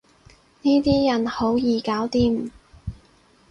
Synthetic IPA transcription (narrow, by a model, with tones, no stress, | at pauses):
niː˥t̪iː˥jɐ˨˩nho˨˥wjiː˨˧kaː˨˥wt̪iː˥m̩˨˩